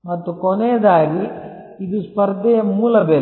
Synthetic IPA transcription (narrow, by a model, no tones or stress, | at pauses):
mɐt̪ːukɔnɛjɐd̪aːɡi | id̪uspɐɾd̪ʱɐjɐmuːlɐbeː